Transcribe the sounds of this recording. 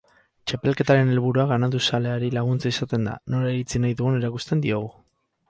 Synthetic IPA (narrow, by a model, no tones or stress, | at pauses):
t͡ʃape̞lke̞t̪aɾe̞ne̞lβuɾuaɣ̞anat̪usale̞aɾilaɣ̞unt͡saisat̪e̞nd̪a̰no̞laeɾit͡sinajðuɣune̞ɾakust̪e̞nd̪io̞ɣ̞u